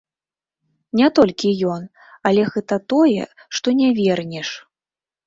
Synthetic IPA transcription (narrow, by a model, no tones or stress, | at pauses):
nʲɛt̪ɔlʲkʲijɔn | ɐlʲɛɣɛt̪ɐt̪ɔjɛ̰ʂt̪ɔnʲavʲɛrnʲɛʂ